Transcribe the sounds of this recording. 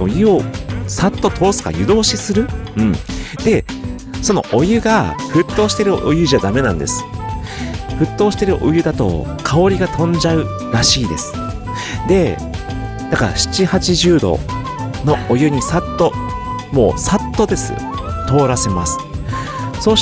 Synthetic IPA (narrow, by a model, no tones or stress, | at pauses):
ojɯ̟osat̪ːo̞t̪ʰo̞ːsɨ̥ka̰jɯ̟d̪o̞ːɕisɨɾɯ̟ɯ̟̃ɴd̪̥e̞ | so̞no̞ʔojɯ̟ɡaɸɯ̟t̪ːo̞ːɕi̥t̪e̞ɾɯ̟ʔo̞jɯ̟ʑad̪ame̞nã̰nd̪esɨ̥ | ɸɯ̟t̪ːo̞ːɕi̥t̪e̞ɾɯ̟ʔojɯ̟d̪at̪o̞̰ | kʰao̞ɾʲiɡat̪ʰõ̞ɲd͡ʑaɯ̟ | ɾaɕiːd̪e̞̰sɨ̥ | d̪e̞ | d̪̥akaɾa̰ɕi̥t͡ɕihat͡ɕiʑɨːd̪o̞̰ | no̞ojɯ̟ɲ̟isat̪ːo̞mo̞̰ːsat̪ːo̞d̪e̞sɨ̰ | t̪o̞ːɾase̞masɨ̥ | so̞ː